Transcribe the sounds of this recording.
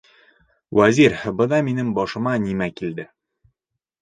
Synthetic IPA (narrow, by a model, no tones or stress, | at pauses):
wæziɾbɤ̆d̪ɑminɘmbɒʃɤ̆mɑnimækild̪ɘ